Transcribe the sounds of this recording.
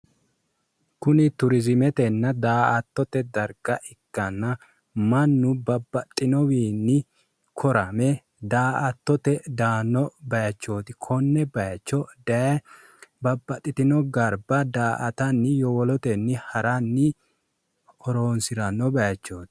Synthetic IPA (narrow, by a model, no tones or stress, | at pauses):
kʊnɪt̪ʊɾɪzɪmɛt̪ɛnːɐd̪aːɐt̪ːɔt̪ɛd̪ɐɾɡɐʔɪɡːɐnːɐ | mɐnːʊbɐbːɐt̪ʼːɪnɔwiːnːɪ | kʰɔɾɐmɛ | d̪aːʔɐt̪ːɔt̪ɛd̪aːnːɔbɐjɐt͡ʃːo̞ːt̪ɪkʰɔnːɛbɐjt͡ʃːɔd | bɐbːɐt̪ʼːɪt̪ɪnɔɡɐɾbɐd̪aːʔɐt̪ɐnːɪjɔwɔlɔt̪ɛnːɪhɐɾɐnːɪ | ɔɾoːnsɪɾɐnːɔbɐjɐt͡ʃːoːt̪ɪ̥